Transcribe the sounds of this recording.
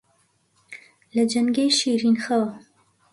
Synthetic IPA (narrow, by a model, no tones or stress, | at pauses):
lad͡ʒaŋɡejʃiɾinxəwa